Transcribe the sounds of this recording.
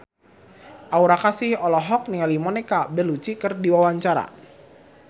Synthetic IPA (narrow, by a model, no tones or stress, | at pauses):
ʔauɾakasɪhɔlɔɦɔk̚niŋalimɔnɛkabəlut͡ʃikərdiwawaɲt͡ʃaɾa̰